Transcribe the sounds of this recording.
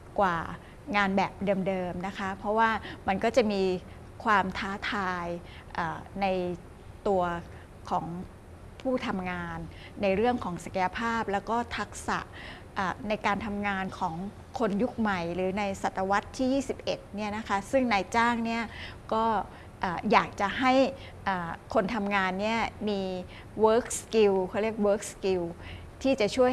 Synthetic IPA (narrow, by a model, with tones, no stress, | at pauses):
kwaː˨˩ | ŋaː˧nbɛː˨˩p̚dɤː˧mdɤː˧mna˦˥kʰa˦˥pʰɾɔ˦˥waː˥˩ma˧nkɔː˥˩t͡ɕa˨˩miː˧ | kʰwaː˧mt̪ʰaː˦˥t̪ʰaː˧j | ʔaː˨˩na˧j | t̪u˧ɐ | kʰɔː˩˦ŋ | pʰuː˥˩t̪ʰa˧mŋaː˧nː | a˧jɾɯ˥˩əŋkʰɔː˩˦ŋsa˨˩ka˧ja˧pʰaː˥˩p̚lɛː˦˥wkɔː˥˩t̪ʰa˦˥k̚sa̰˨˩ʔ | ʔaː˨˩na˧jkaː˧nt̪ʰa˧mŋaː˧nkʰɔː˩˦ŋ | kʰo˧nju˦˥k̚ma˨˩jɾɯː˩˦na˧jsa˨˩t̪ːa˧wa˦˥t̪ʰːiː˥˩jiː˥˩si˨˩p̚ʔe˨˩t̪̚ni˥˩ɐna˦˥kʰa˦˥sɯ˥˩ŋnaː˧jt͡ɕaː˥˩ŋni˥˩ɐkɔː˥˩ | ʔaː˨˩jaː˨˩k̚t͡ɕa˨˩ɦa˥˩j | ʔaː˨˩kʰo˧nt̪ʰa˧mŋaː˧nːi˥˩ɐmiː˧ | wɤː˦˥k̚ski˧wkʰɔː˧˥˩ɾi˥˩ək̚wɤː˦˥k̚ski˧w | t̪ʰiː˥˩t͡ɕa˨˩t͡ɕʰu˥˩ə